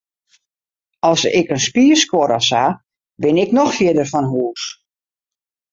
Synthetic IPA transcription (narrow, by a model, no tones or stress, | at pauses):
ɔlˠsɪ̰kənspiəskwoɾɔsa | bɪnɪknɔxfiədərfɔnɦuəs